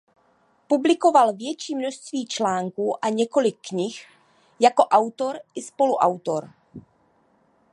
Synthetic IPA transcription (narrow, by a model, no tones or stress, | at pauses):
publɪko̞valvjɛt͡ʃiːmnoʃst̪viːt͡ʃlaːŋkuːʔaɲɛko̞lɪkːɲɪx | jako̞ʔawt̪o̞ɾʔɪspo̞luʔa̰wt̪oɾ